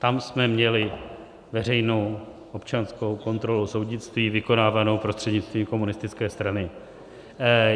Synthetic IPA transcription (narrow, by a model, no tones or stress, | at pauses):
t̪amsmɛmɲɛlɪ | vɛr̝ɛjno̞w | ʔo̞pt͡ʃanskowko̞nt̪ɾo̞luso̞wdɲɪt͡st̪viːvɪko̞naːvano̞wpɾo̞st̪r̝̥ɛdɲɪt͡st̪viːmko̞munɪst̪ɪt͡skɛːst̪ɾanɪ